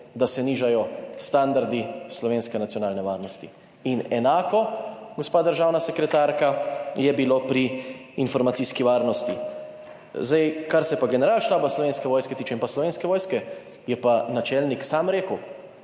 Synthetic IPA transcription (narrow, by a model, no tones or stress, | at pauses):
d̪asɛniːʒajɔst̪and̪aɾd̪islɔʋeːnskɛnat̪sijɔnaːlnɛʋaːɾnɔst̪i | inɛnaːkɔɡospaːd̪əɾʒaːwnasɛkɾɛt̪aːɾkajɛbiloːpɾiːnfɔɾmat̪siːskiʋaːɾnɔst̪i | zd̪ajkaɾsɛpaɡɛnɛɾaːlʃt̪aːbaslɔʋeːnskɛʋɔːjskɛt̪iːt͡ʃɛĩnpaslɔʋeːnskɛʋɔːjskɛ | jɛpanat͡ʃɛlniksaːmɾeːkəw